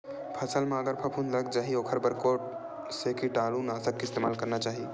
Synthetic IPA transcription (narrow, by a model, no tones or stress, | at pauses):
pʰɐsəlmeəɡəɾpʰəpʰunləɡ̚d͡ʒaːɦioːkʰəɾbəɾkoʈ | sekiʈaːlunaːsəkːɪst̪emaːlkəɾnat͡ʃaːɦi